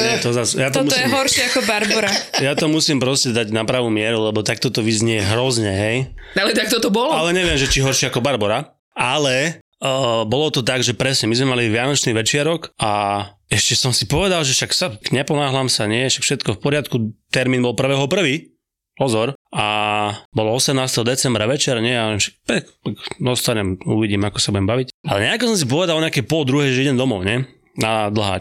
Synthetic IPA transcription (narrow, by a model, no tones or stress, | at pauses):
ɛt̪ɔzasjat̪ɔmutɔjiɛɦɔɾʃɪɛakɔbaɾbɔɾajat̪ɔmusiːmpɾɔscɛd̪aɟnapɾaʋuːmɪɛɾulɛbɔt̪ak̚t̪ɔt̪ɔʋizɲɛjɛɦɾɔzɲɛɦɛjalɛt̪ak̚t̪ɔt̪ɔbɔlɔalɛɲɛʋɪɛmʒɛt͡ʃiɦɔɾʃɪɛakɔbaɾbɔɾa | alɛ | bɔlɔt̪ɔt̪aɡʒɛpɾɛsɲɛmizmɛmaliʋɪanɔt͡ʃniːʋɛt͡ʃɪaɾɔka | ɛʃcɛsɔmsipɔʋɛd̪alʒɛʃaksakɲɛpɔnaːɦlaːmsaɲɪɛʃakfʃɛt̪kɔfpɔɾɪat̪kut̪ɛɾmiːnbɔlpr̩ʋɛːɦɔpr̩ʋiː | pɔzɔɾabɔlɔɔsɛmnaːst̪ɛɦɔd̪ɛt͡sɛmbɾaʋɛt͡ʃɛɾɲɛjaɔɛmʃḁk̚pɛkt̪akd̪ɔst̪aɲɛmṵʋiɟiːmakɔ̥sabuɟɛmbaʋicalɛɲɛakɔsɔmsip̬ɔʋɛd̪alɔɲɛakɛpɔld̪ɾuɦɛʒɛɛiɟɛmd̪ɔmɔʊɲɛ | nad̪l̩ɦa̰ː